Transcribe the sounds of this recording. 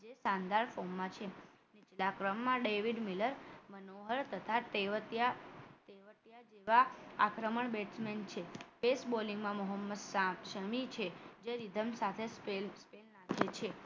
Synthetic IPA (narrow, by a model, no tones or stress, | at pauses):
d͡ʒesãnd̪aɭfomːãt͡ʃʰe | nit͡ʃlakɾəmːãɖeʋiɖmiləɾmənoɦəɾt̪ət̪ʰat̪eʋət̪jat̪eʋəʈ̪jad͡ʒeʋaa̰kɾəməɳbeʈsment͡ʃʰefesboliŋɡmãmoɦəmːəd̪sʃəmit͡ʃʰed͡ʒeɾid̪ʱəmsat̪ʰesespelnakʰet͡ʃʰe